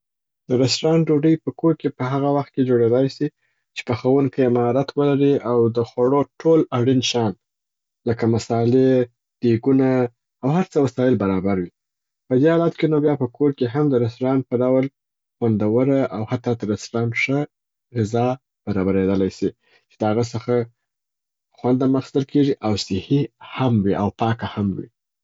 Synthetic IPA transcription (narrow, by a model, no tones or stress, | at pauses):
d̪̥əɾɪstɾɑnɖoɖəjpəkoɾkepəɦaɣawaxt̪̚ked͡ʒoɽed̪ɑjsi | t͡ʃe̥pəxawuŋkeɪmɑɾat̪ʰwəlaɾiawd̪əxwaɽoʈʰolaɽinʃɑn | ləkamasɑle | d̪̥eɡunaː | whaɾt͡səwasɑjɪlbaɾɑbaɾwi | pəd̪ehɑlat̪kenobjɑpəkʰoɾkeɦamd̪əɾasɾɑnpəɖawl | xwand̪awəɾaʔawhat̪ːɑd̪əɾasɾɑnʂə | ɣɪzɑ | b̥aɾɑbaɾed̪əlajsi | t͡ʃed̪əhaɣəsəxa | xwand̪aməxst̪əlkʰeʐiʔawsɪhihamwiʔawpɑkahamwḭ